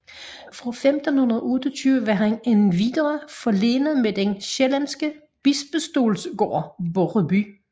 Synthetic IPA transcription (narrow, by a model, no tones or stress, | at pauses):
fʁɑfemd̥n̩hunɐðˠɔ̽ːd̥ət͡sʰyːʊʋəʋɑ̈ɦæne̝nʋid̥ʁɐfɒle̝ːnəð̩ˠmed̥enɕelænsɡ̥ə | b̥isb̥əsd̥o̝̰ːlsɡ̥o̰ːboʁəby